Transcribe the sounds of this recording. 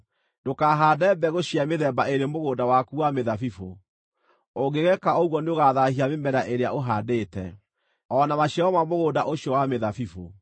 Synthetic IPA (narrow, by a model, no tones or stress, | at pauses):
dokaɦaːdɛbɛɣoɕiameðɛbaeɾemoɣodawakuwameðafifo | oɡeɣɛkaoɣwɔneoɣaðahiamemɛɾaʔeɾeaoɦadeːtɛ̰ | ɔnamaɕiaɔmamoɣoːdaʔoɕjɔwameðafifo̰